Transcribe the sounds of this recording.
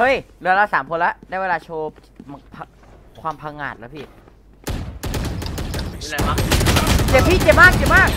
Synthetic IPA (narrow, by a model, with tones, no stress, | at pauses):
hɤ˦˧˥jlɯ˧la˧˩saː˩˦mkʰo˧nla˦˥ʔdaː˥˩weː˧laː˧t͡ɕʰoː˧ | pʰa˧ | kʰwaː˧mpʰa˧ŋa̰ː˨˩t̪̚la˦˥pʰiː˥˩˨ | a˧˥˩t͡ɕe˨˧˩p̚ʰiː˥˩t͡ɕe˨˧˩maː˥˩k̚t͡ɕe˨˧˩maː˥˩k̚